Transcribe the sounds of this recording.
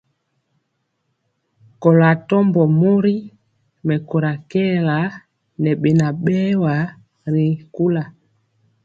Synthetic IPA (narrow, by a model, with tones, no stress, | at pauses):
kɔ˨la˨tɔ˦mbɔ˨mu˦ɾi˦ | mɛ˨kɔ˨ɾa˨kɛ˦la˨˦ | nɛ˨ɓɛ˨na˨ɓɛ˦wa˨ | ɾi˨ku˦la˨